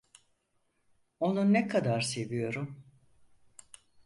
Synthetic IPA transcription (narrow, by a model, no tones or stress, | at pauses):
o̞nunɛkʰad̪aɾse̞vijo̞ɾum